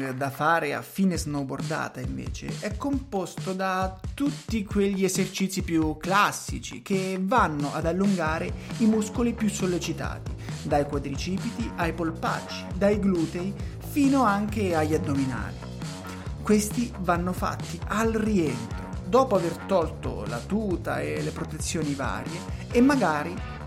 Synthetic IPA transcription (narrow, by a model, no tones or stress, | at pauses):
d̪afaːɾea̰fiːnesnobo̰rd̪a̰ːt̪aiɱvḛːt͡ʃḛɛkːompost̪od̪at̪ut̪ːikweʎːiezert͡ʃit̪sːipjukːlasːḭt͡ʃḭk̟evanːoʔad̪alːuŋɡaːɾeimuskolipjusːolːet͡ʃit̪a̰ːt̪id̪ajkwad̪ɾit͡ʃiːpit̪iajpolpa̰t͡ʃːid̪ajɡluːt̪ej | fiːnoaŋk̟eaʎːad̪ːomina̰ːli | kwest̪ivanːofa̰t̪ːiʔalrient̪ɾod̪ɔːpoavert̪ɔlt̪o̰la̰t̪uːt̪a̰elːepɾot̪et̪sːjoːniva̰ːɾjeːmːaɡaːɾi